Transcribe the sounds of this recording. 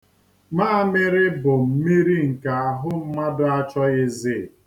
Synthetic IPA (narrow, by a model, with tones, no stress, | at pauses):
maː˦mɪ˦ɾɪ˦bʊ˨m̩˨mi˦ɾi˦ŋ̩˨ka˨a˨ɦʊ˦m̩˦ma˦dʊ˦a˦t͡ʃɔ˦ɪ˦zɪ˦˨